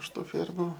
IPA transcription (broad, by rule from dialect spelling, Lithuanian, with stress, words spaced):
ɪʃ ˈtuː ˈfʲeːrmʊ